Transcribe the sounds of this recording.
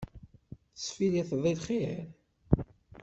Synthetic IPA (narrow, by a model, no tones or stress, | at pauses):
sˤfiliθðˤilχeɾ